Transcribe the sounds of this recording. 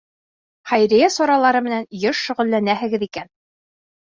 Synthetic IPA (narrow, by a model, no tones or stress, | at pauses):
χæjɾijæsɑɾɑlˠɑɾɤmɘ̆nænjɤʃʃɵ̆ʁɵ̆lːænæɦɘ̆ɡɘðikæn